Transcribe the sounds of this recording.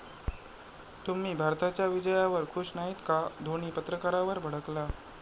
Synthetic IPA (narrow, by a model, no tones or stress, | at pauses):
t̪um̤iːbʱaɾt̪at͡ɕjaʋid͡ʑəjaʋəɾkʰuɕnaɦiːt̪kad̪ʱoɳ̃iːpət̪ɾəkaɾaʋəɾbʱəɽ̤əkla